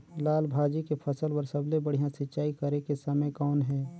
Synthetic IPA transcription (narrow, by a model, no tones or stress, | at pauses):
laːlbʱaːd͡ʒikepʰɐsəlpəɾsəblebəɽ̤ijãsɪtːʃaːikəɾekesɐməjkɔːnɦɛː